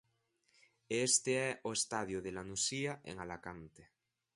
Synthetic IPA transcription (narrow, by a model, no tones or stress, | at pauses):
est̪eɛʔoest̪að̞joð̞elanusiaʔḛŋalakant̪e